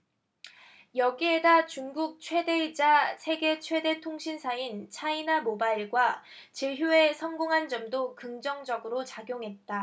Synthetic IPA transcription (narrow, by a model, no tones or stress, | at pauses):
jʌɡiedat͡ɕuŋɡuk̚t͡ɕʰwe̞de̞d͡ʑasʰe̞ɡe̞t͡ɕʰwe̞de̞tʰoŋɕʰinsʰaint͡ɕʰainamobaiɭɡwa | t͡ɕeɦjue̞sʰʌŋɡoŋɦand͡ʑʌmdokɯŋd͡ʑʌŋd͡ʑʌɡɯɾot͡ɕaɡjoŋɦe̞t̚t͈a